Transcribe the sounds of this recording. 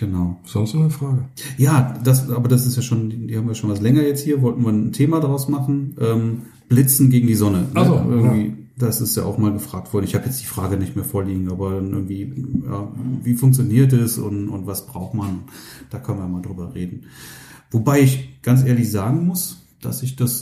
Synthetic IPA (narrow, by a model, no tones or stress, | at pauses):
ɡ̥ənaʊz̥ɔnstnɔnəfʁ̥aːɡə | jaːd̥asʔaːbɐdas̬ɪstjaːʃoːndiːhaːmviːjaʃoːnvaslɛŋɐjɛt͡sthiːɐvɔltn̩viːɐntʰeːmadʁaʊsmaχn̩ʔɛːm | b̥lɪt͡sn̩ɡeːɡŋ̩diːzɔnənəʔɪɐɡŋ̩viː | d̥asɪstja̰ːʔaʊxmaːlɡəfʁ̥aːk̚tv̥ɔɐdn̩ɪçhaːbjɛt͡sd̥iːfʁ̥aːɡənɪçtmeːɐfoːɐliːɡŋ̩aːbɐdanʔɪ̰ɐɡŋ̩tv̥iːja̰ːviːfʊŋkt͡sjoniːɐt̬ɛsʊ̰ntʊ̰ntv̥asb̥ʁaʊxtmanʊnt | d̥aːkʰœnənviːjɐmaːldʁyːbɐʁeːdn̩ | vobaɪɪçɡ̥ant͡s̬ʔeːɐlɪçz̥aːɡŋ̩mʊs | d̥a̰sɪçd̥as